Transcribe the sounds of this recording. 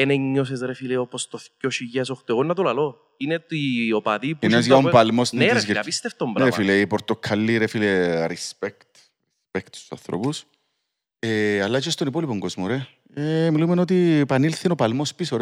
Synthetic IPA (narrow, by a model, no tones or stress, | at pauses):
eneɲːosezɾefileopost̪oθcoʃiʝesoxt̪eɣonːɐt̪ulɐlo | inet̪iopɐðipinezjɐopɐlmoseɾeɐpist̪eft̪ombɾaɾefileipoɾt̪okʰɐlːiɾefileɾispekt̪ | ɾispekt̪u̥su̥sɐ̰nθɾo̰pus | eɐlːɐt͡ʃest̪onipolipoŋɡozmoɾe | emilumenot̪̬ipɐnilθinopɐlmospisoɾ